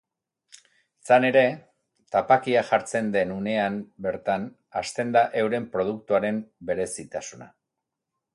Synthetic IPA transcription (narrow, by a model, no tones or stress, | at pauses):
t͡sane̞ɾe̞ | t̪apakiaʝaɾt͡se̞nd̪e̞nune̞ambe̞ɾt̪an | ast̪e̞nd̪aʔe̞wɾe̞mpɾo̞ð̞uk̚t̪uaɾe̞mbe̞ɾe̞sit̪asuna̰